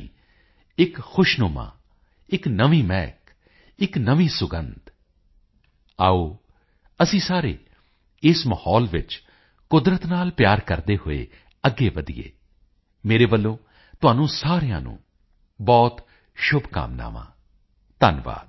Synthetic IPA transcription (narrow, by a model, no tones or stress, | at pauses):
ɪkxʊʃnoːmã̰ː | ɪknəʋiːmɛːk | ɪknəʋiːsʊɡənd̪ | aːoː | əsĩːsaːɾḛː | ɪsməhɔːlʋɪ̰t͡ʃ | kʊd̪ɾət̪naːlpjaːɾkəɾd̪eːhʊḛː | əɡːeːʋəd̪ḭjḛː | meːɾeːbəlːõː | t̪ʊaːnũːsaːɾɪjã̰ːnṵ̃ː | bɔːt̪ | ʃʊbka̰ːmna̰ːʋã̰ː | t̪ənʋa̰ːd̪